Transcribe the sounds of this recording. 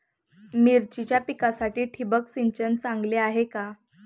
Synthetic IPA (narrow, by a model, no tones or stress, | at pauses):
miɾt͡ɕit͡ɕjapikasaʈiːʈʰibəksiɲt͡ɕənt͡sãŋɡleaɦeka